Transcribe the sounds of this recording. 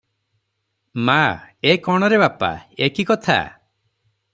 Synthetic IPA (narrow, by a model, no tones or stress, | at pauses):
maekɔɽ̃ɔɾebapa̰ekikɔt̪ʰa̰